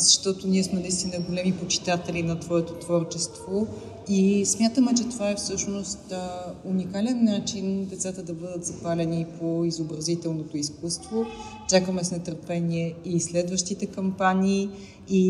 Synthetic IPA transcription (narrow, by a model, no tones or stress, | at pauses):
zɐʃt̪ɔt̪oniɛsmɛnɐist̪inəɡolɛmipot͡ʃi̥t̪at̪ɛlinɐt̪vɔɛt̪ot̪vɔɾt͡ʃɛst̪vo | ismʲjat̪əmɛt͡ʃɛt̪ovaɛfsɤʃnost̪unikalɛnːat͡ʃind̪ɛt̪sat̪əd̪ɐbɤd̪ət̪zɐpalɛnipʰoizobɾɐzit̪ɛlˠnot̪oiskust̪vo | t͡ʃakəmɛsnɛt̪əɾpɛniɛislɛd̪vəʃt̪it̪ɛkɐmpanʲiː | i